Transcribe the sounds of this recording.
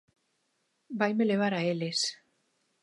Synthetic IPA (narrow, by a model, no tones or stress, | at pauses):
bajmeleβ̞aɾaeles